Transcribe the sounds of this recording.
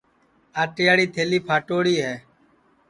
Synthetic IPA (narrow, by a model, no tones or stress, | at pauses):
aːʈɪjaːɽiːt̪ʰeːliːpʰaːʈoːɽiːɦɛː